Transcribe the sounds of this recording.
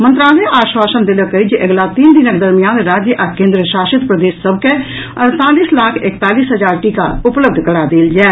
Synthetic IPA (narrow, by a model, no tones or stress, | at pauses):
mə̃nt̪ɾaːleʔaːʃwaːsənd̪ɪləkəid͡ʒʔəɡlaːt̪iːnd̪ɪnək̚d̪əɾmijaːnɾaːd͡ʒjəʔəkẽːnd̪ɾəʃaːʃɪt̪pɾəd̪eːsːəbkɛː | ənt̪aːliːslaːkʰɪkt̪aːliːsɦəd͡ʒaːɾʈiːka̰ʊpləb̚d̪ʱkəɽaːd̪eːld͡ʒɛː